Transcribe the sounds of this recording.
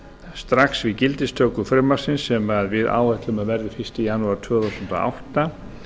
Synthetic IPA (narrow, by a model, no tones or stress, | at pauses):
st̪ɾaksvicɪlt̪ɪst̪ʰœːkʏfɾɪmːaɾ̥sɪnsːɛmaðvɪða̰ːwɛht̪lʏmaðvɛɾðɪfɪr̥st̪ɪjanuaɾ̥t̪ʰœːθawsʏnt̪o̰ʔa̰wht̪a